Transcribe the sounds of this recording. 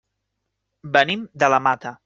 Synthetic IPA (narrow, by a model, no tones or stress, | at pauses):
bənimd̪ələmat̪ə